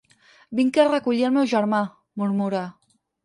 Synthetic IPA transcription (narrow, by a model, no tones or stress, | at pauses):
biŋkerəkuʎiəlˠmɛwʒəɾma | muɾmuɾa